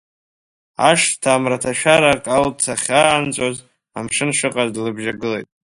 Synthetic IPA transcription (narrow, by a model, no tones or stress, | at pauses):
a̰ʂtʰaːmratʰaʃᶣaɾakʼaltʰaχʲaːnt͡sʷʼoz | amʂɨnʂɨqʼazdlɨbʒaɡɨlejtʼ